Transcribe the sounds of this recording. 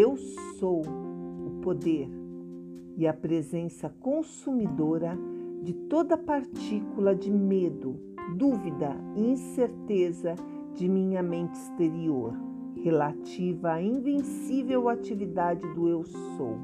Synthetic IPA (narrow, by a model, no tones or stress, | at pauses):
ewsowʊpod̪eɾ | ɪɐpɾezẽsɐkõsumid̪oɾɐd͡ʒɪt̪od̪ɐpaɾt͡ʃikulɐd͡ʒɪmed̪ʊ | d̪uvid̪ɐɪĩseɾt̪ezɐ | d͡ʒɪmĩɲɐmẽnt͡ʃɪist̪eɾioɾ | helat͡ʃivɐaĩvẽsivewat͡ʃivid̪ad͡ʒɪd̪ʊewso̰w